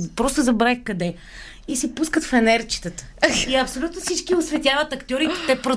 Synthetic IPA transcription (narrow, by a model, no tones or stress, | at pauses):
pɾɔst̪ozɐbɾaxkɐd̪ɛ | isipuskət̪fɛnɛɾt͡ʃi̥t̪ət̪ə̥iɐpsolʲut̪nofsit͡ʃkiʊsvɛt̪javət̪ɐkt̪ʲjɔɾit̪t̪ɛpɾo